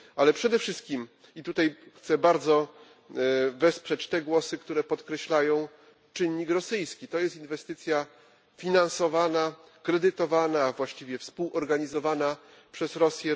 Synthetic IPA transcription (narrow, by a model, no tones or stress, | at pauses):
alɛpʂɛd̪ɛfʂɘst̪̚kʲim | it̪ut̪ajxt̪sɛbaɾd̪zɔ | vɛspʂɛt͡ɕt̪ɛɡwɔsɘkt̪uɾɛpɔt̪kɾɛɕlajɔ̃w̃ | t͡ʂɘɲːikɾɔsɘjskʲit̪ɔjɛst̪invɛst̪ɘt̪sʲja | fʲinansɔvana | kɾɛd̪ɘt̪ɔvanavwaɕt͡ɕivʲjɛfspuwɔɾɡaɲizɔvana | pʂɛzɾɔsʲjɛ